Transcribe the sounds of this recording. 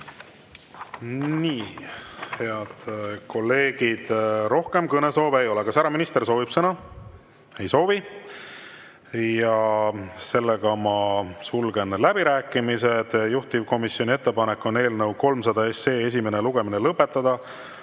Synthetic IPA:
niːhe̞ɑd̪̥ko̞lːe̞ːɡ̥id̪̥ɾo̞hke̞mkɤne̞so̞ːveejo̞lekɑsæɾɑminist̪e̞ɾso̞ːvib̥sɤnɑ | e̞jso̞ːvi | jɑse̞lːeɡ̥ɑmɑsulɡ̥e̞nlæbiɾæːkːˑimise̞d̪̥juht̪ivko̞misjo̞nʲie̞t̪ːe̞pɑnekːˑo̞ne̞ːlnəwko̞lmsɑd̪ɑe̞se̞ːes̬ʲime̞ne̞luɡ̥e̞minelɤpːe̞t̪ːˑɑd̪̥ɑ

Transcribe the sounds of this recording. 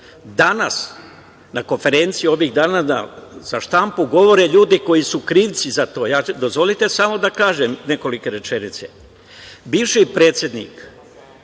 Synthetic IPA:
d̪anas | nako̞nfe̞ɾe̞nt̪siio̞ʋiɣd̪aːnana̰z̥aʃt̪ampuɡo̞ʋo̞ɾeʎuːd̪iko̞jisukɾiːʋt̪sizat̪o̞ːjaːd̪o̞zʋo̞lit̪e̞samo̞d̪akaːʒemne̞ko̞like̞ɾe̞t͡ʃe̞nit̪sḛ | biːʋʃipɾeːt̪sje̞d̪nḭːk

